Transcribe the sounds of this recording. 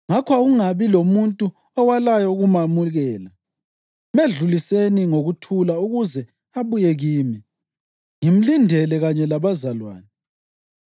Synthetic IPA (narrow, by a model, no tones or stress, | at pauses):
ŋakʰwaɣuŋaβilomuntʼu | ɔwalajɔuɣumamuɣɛːla | meɮuliseniŋoɣutʰulauɣuzɛ | aβujɛɣiːmi | ŋim̩lindʱɛlɛɣaɲɛlaβazalwa̰ːnɛ